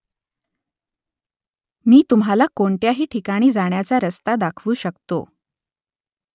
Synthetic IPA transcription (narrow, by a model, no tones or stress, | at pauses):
miːt̪umɦalakoɳʈjaɦiːʈʰikaɽ̃iːd͡zaɳjat͡saɾəst̪ad̪akʰʋuːɕəkt̪o̰